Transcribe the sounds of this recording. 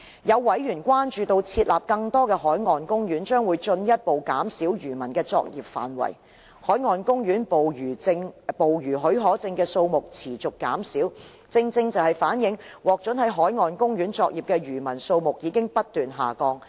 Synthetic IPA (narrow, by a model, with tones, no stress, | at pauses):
jɐ˨˧wːɐ˨˥jɥyː˨˩nkʷwaː˥nt͡ʃyː˨˧t̪o˧wt͡sʰiː˧t̚laː˨p̚kɐ˧ŋt̪ɔː˥kɛː˧ɦɔː˨˥jŋɔː˨nkʊ˥ŋjyː˨˥nt͡ʃœː˥ŋwuː˨˧jt͡ʃɵ˧njɐ˥t̚po˨wkaː˨˥msiː˨˥wjyː˨˩mɐ˨˩nkɛː˧t͡sɔ̰ː˧k̚jiː˨p̚fa̰ː˨˩nwɐ̰˨˩j | hɔː˨˥jŋɔː˨nkʊ˥ŋjyː˨˥n˨˩˧ŋpo˨wjyː˨˩ɦɵ˨˥ɥɦɔː˨˥t͡sɪ˧ŋkɛː˧so˧wmʊ˨k̚t͡sʰiː˨˩t͡sʊ˨kːa̰ː˨˥msiː˨˥w | t͡sɪ˧ŋt͡sɪ˧ŋt͡sɐ˨whɐ˨˩jfaː˨˥njɪ˨˥ŋwɔː˨k̚t͡ʃɵ˨˥nhɐ˨˥jɦɔː˨˥jŋɔː˨˩nkʊ˥ŋɥyː˨˥nt͡sɔː˧k̚jiː˨˩p̚kɛː˧ɥyː˨˩mɐ˨˩nso˧wmʊ˨k̚jiː˨˧kɪ˥ŋpɐ˥t̚t̪ːyː˨nɦa̰ː˨˩kɔː˧ŋ